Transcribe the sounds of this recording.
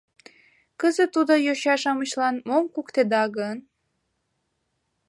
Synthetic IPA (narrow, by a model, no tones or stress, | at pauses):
kəzət̪ːud̪ojoɕɑʃɑmət͡ɕlɑnmomkukt̪ed̪ɑɣən